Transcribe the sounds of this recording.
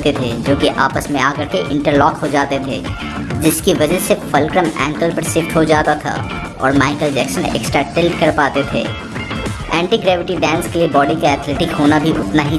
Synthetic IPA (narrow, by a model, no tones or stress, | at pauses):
t̪et̪ʰed͡ʒoːkiʔa̰ːpəsmẽaːkɐɾkeʔɪ̰̃ɳʈəɾlɔːkɦod͡ʒaːt̪et̪ʰḛː | d͡ʒɪskiʋɐd͡ʒəɦsefɐlkɾəmɛ̰̃ːŋkəlpɐɾsɪfʈɦod͡ʒaːt̪at̪ʰa̰ | ɔ̰ːɾmaːɪkəld͡ʒɛːksənḛːksʈɾaʈɪlʈkɐɾpaːt̪et̪ʰḛː | ɛ̰̃ːɳʈiːɡɾɛːʋɪʈiɖɛ̃ːnskeliebɔːɖikaɛːt̪ʰleːʈɪkɦoːnabʱiʔʊt̪naɦi